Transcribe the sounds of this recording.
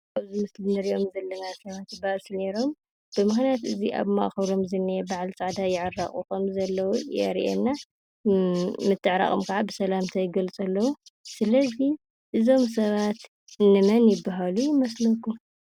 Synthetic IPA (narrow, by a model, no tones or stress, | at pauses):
aβzɨmɨslɨnɨɾiʔo̞mzɐlːɐnasɐβat̪baʔsne̞ɾo̞m | b̥ɨmɨxnijat̪ɨziʔa̰βma̰ʔxɐβɾo̞mzɨnːebaʕlt͡sʼaʕd̪ajɪʕɨrːaχʼṵkɐmzɐlːɐwujɛ̰ɾʔḛnːa | mɨt̪ʰːɨʕɾa̰χʼomkʰaʕabɨsɐlamt̪ʰajɪɡɐlt͡sʼɐlːɐwusɨlɐzi | ʔɨzo̞ms̬ɐβat̪ | ɨnːɨmɐnjɪbːaɦalujɪmɐslɐkːu